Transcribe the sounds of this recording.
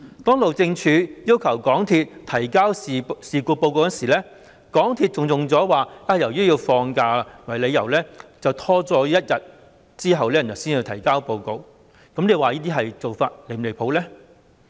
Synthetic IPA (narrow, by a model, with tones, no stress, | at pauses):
t̪ɔː˥ŋlo˨wt͡sɪ˧ŋt͡ʃʰyː˨˥jiː˥wkʰɐ˨˩wkɔː˨˥ŋt̪ʰiː˧t̚t̪ʰɐ˨˩jkaː˥wsiː˨kuː˧po˧wko˧wjɐ˥nsiː˨˩lɛː˥ | kɔː˨˥ŋt̪ʰiː˧t̚t͡sʊ˨ŋjʊ˨ŋt͡sɔː˨˥waː˨aː˧jɐ˨˩wjyː˥ji˧wfɔː˧ŋkaː˧wɐ˨˩jle˨˧jɐ˨˩wlɛː˥t͡sɐ˨wt̪ʰɔː˥t͡sɔː˧˥jɐ˥t̚jɐ˨t̚ | t͡siː˥ɦɐ˨wlɛː˥˨˩jɐ˨˩wsiː˥njiː˧t̪ʰjkaː˥wpo˧wko˨˧w | kɐ˨˥mle˨˧waː˨jiː˥t̪iː˥ɦɐ˨jt͡so˨˩wfaː˧t̚le˨˧˩le˨˩pʰo˨˥wlɛː˥